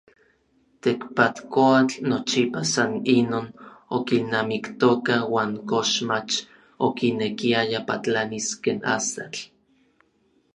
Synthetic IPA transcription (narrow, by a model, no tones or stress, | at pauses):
t̪ekpat̪koat͡ɬnot͡ʃipasaninoːnokinːamikt̪okawaːŋkoʃmat͡ʃ | okinekiajapat͡ɬaniskeːna̰sa̰t͡ɬ